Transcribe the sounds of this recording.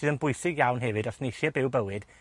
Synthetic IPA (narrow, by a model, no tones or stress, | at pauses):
ɨːðənbʊjθɪɡjawnɦɛvɨdɔsnejʃibɪwbəwɨd̥